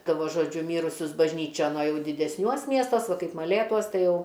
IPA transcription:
ˈtɐ ʋɐ ˈʒoːd͡ʒʲʊ ˈmʲiːrʊsʲʊs bɐʒʲˈnʲiːt͡ʃʲoːn oː ˈjɛʊ dʲɪdʲɛsʲˈnʲuɔs ˈmʲiɛstuɔs ˈʋɐ ˈkɐɪp mɐˈlʲeːtuɔs ˈtɐɪ ˈjɛʊ

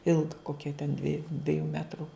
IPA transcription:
ˈɪlˠɡɐ ˈkoːkʲɛ tʲɛn ˈdʲʋʲiɛjʊ ˈdʲʋʲiɛjuː ˈmʲæːtrʊ

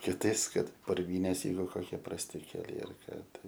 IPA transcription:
kʲɪˈtɐɪs ˈkɐt pʊrʲˈʋʲiːnʲeːs ˈjɛɪɡʊ koːˈkʲiɛ prɐsʲˈtʲɪ kʲɛˈlʲɛɪ ɐr ˈkɑː ˈtɐɪ

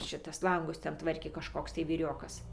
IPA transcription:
ˈʃʲɪtɐs ˈlˠɐŋɡʊs ˈtʲɛn ˈtʋɐrʲkʲeː kɐʃˈkoːks tɐɪ ʋʲiːˈrʲoːkɐs

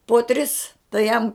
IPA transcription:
poː ˈtʲrʲɪs tɐɪ ˈjɛm

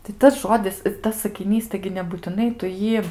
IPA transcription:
tɐɪ ˈtɐs ˈʒoːdʲɪs ɪr ˈtɐs sɐkʲɪˈnʲiːs ˈtɐɪɡʲɪ nʲɛbuːtʲɪˈnɐɪ tʊ ˈjiː

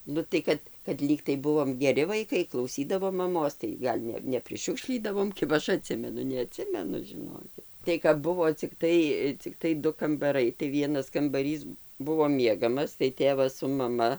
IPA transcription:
ˈnʊ tɐɪ kɐt kɐt ˈlʲiːktɐɪ ˈbʊʋoːm ɡʲɛˈrʲɪ ʋɐɪˈkɐɪ klˠɐʊˈsʲiːdɐʋoːm mɐˈmoːs tɐɪ ˈɡɐlʲ nʲɛ nʲɛpʲrʲɪˈʃʲʊkʃʲlʲiːdɐʋoːm ˈkʲɪbɐ ˈɐʃ ɐˈtʲsʲɪmʲɛnʊ nʲɛɐˈtʲsʲɪmʲɛnʊ ʒʲɪˈnoːkʲɪt tɐɪ kɐp ˈbʊʋoː t͡sʲɪkˈtɐɪ t͡sʲɪkˈtɐɪ ˈdʊ kɐmbɐˈrɐɪ tɐɪ ˈʋʲiɛnɐs kɐmbɐˈrʲiːs ˈbʊʋoː ˈmʲiɛɡɐmɐs tɐɪ ˈtʲeːʋɐs sʊ mɐˈmɐ

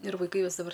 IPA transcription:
ɪr ʋɐɪˈkɐɪ ˈjoːs dɐˈbɐr

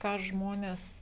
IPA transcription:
kɑː ˈʒmoːnʲeːs

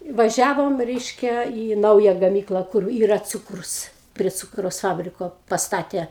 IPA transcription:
ʋɐˈʒʲæːʋoːm ˈrʲɛɪʃʲkʲɛ iː ˈnɐʊjɛ ɡɐˈmʲiːklˠɐ kʊr ˈiːrɐ ˈt͡suːkrʊs pʲrʲiɛ ˈt͡suːkrɐʊs ˈfɑːbʲrʲɪkoː pɐsˈtɑːtʲeː

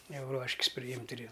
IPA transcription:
ˈjɛʊ ˈruɔʃʲkʲɪs pʲrʲɪˈjɪmʲtʲ ɪr ɪ

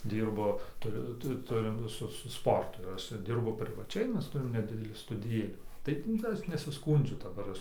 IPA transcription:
ˈdʲiːrbʊ tʊˈrʲʊ ˈtʊ ˈtʊrʲɪm ˈsʊ sʊ ˈspoːrtʊ ɪr ˈɐʃ ˈdʲɪrbʊ pʲrʲɪʋɐˈt͡ʃʲɛɪ ˈmʲɛs ˈtʊrʲɪm nʲɛˈdʲɪdʲɛlʲiː stʊdʲɪˈjeːlʲiː ˈtɐɪp nʊ kɐt ˈɐʃ nʲɛsʲɪˈskuːnʲd͡ʒʲʊ dɐˈbɐr ˈɐʃ

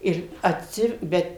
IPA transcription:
ˈɪr ɐtʲˈsʲɪ ˈbʲɛt

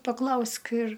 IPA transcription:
pɐˈklˠɐʊsk ɪr

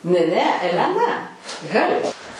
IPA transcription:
nʲɛ ˈnʲɛ ɛlʲɛˈnɐ ˈɣɑːlʲeː

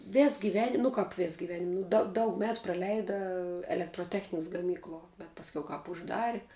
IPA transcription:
ˈʋʲɛs ɡʲɪˈʋʲæːnʲɪm nʊ ˈkɐp ˈʋʲɛs ɡʲɪˈʋʲæːnʲɪm nʊ dɐ ˈdɐʊk ˈmʲæːtʊ prɐˈlʲɛɪdɐ ɛlʲɛktroːˈtʲæːxʲnʲɪks ɡɐˈmʲiːklˠuɔ bʲɛt ˈpɑːsʲˈkʲɛʊ ˈkɑːp ʊʒˈdɑːrʲɪ

